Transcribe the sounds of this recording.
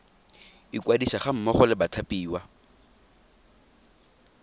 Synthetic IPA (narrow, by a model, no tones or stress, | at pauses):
ikwadisaχam̩mɔχɔlɪbatʰapiːwa